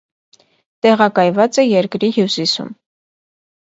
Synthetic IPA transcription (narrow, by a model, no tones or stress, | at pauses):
t̪ɛʁɑkɑjvɑt͡sɛjɛɾkɾihjusisṵm